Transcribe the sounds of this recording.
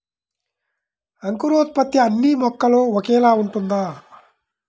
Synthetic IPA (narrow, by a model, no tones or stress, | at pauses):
ɐŋkuɾoːt̪̚pɐt̪ːjiɐnːimɔkːɐloːɔkɛːlaːuɳʈund̪aː